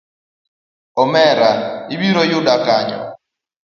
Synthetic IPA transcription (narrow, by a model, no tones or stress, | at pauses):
ɔmɛɾaiɓiɾɔjuɗakaːɲɔ̰